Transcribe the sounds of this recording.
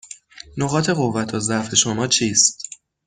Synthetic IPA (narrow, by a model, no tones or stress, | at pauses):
noɣɒːt̪ʰe̞ɣovːæt̪ʰɒːzæfe̞ʃomɒːt͡ʃʰiːst̪